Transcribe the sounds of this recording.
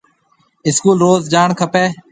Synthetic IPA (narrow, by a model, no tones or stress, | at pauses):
ɪskuːlɾoːzd͡ʒaːɳkʰəpeː